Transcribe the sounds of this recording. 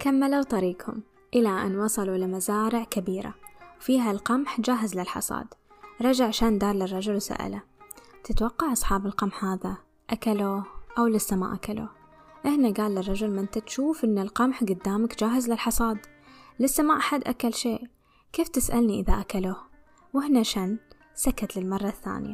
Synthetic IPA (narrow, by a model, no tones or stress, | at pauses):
kamːalut̪ˤɑɾiːqhʊ̰m | ʔɪlaʔa̰nwɑsˤɑluɪlamazaːɾɪʕkabiːɾa̰wfiːɦalqɑmħd͡ʒaːɦazlɪlħɑ̰sˤɑ̰ːd̪ | ɾˤɑd͡ʒaʕaʃaːnd̪ɑːɾˤlɪrˤːɑd͡ʒʊlwsa̰ʔa̰lat̪ɪt̪wɑqːɑʕʔɑsˤħɑːbɪlqɑmħhaːða | ʔakaluʔawlɪsːama̰ːʔakalʊ̰ | ʔɪhnaɡaːlːɪrˤːɑd͡ʒʊlmɪnt̪at̪ʃuːfʔɪnːɪlqɑmħɡʊd̪ːaːmakd͡ʒaːɦɪzlɪlħɑsˤɑːd̪ | lɪsːamaːʔħad̪ʔakalʃeːʔ | keːft̪ɪsʔalniʔɪðaʔakaluh | wɪhnaʃaːn | sakat̪lɪlmɑrˤːɑθːa̰ːnja̰